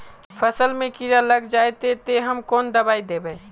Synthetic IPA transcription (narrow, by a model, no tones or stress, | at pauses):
pʰəsəlmẽkiɾaləɡd͡ʒaːet̪et̪eɦəmkoːnd̪ɐbaːid̪ebɛ